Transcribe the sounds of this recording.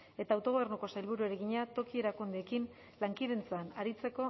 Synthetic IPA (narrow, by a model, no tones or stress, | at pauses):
e̞t̪aːwt̪o̞ɣo̞βe̞rnuko̞sajlβuɾue̞ɾeɣiɲat̪o̞kie̞ɾakund̪eekin | laŋkiðe̞nt͡sanaɾit͡se̞ko̞